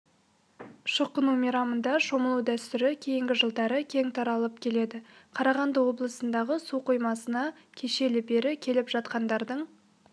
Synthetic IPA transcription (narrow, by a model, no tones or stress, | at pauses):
ʃəqːənumijɾɑmənd̪ɑʃo̞məlˠuwd̪æst̪ʏɾɪkʲʰe̞jɪŋɡʲɪʒəlˠd̪ɑɾəkʲʰe̞ŋt̪ʰɑɾɑlˠəpkʲʰe̞le̞d̪ɪqʰɑɾɑʁɑnd̪əwo̞blˠəsənd̪ɑʁəsuqujmɑsənɑ | kʲʰe̞ʃe̞lɪbe̞ɾɪkʲʰe̞lɪpʒ̥ɑt̪qɑnd̪ɑɾd̪əɴ